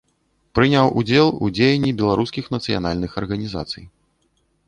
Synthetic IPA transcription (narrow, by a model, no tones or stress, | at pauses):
pɾɨnʲawʔṵd͡zʲɛlˠṵd͡zʲejɛnʲːibʲɛlˠaɾuskʲixnɐt̪sɨja̰n̪alʲnɨxɐrɣɐnʲiza̰t̪sɨ̰j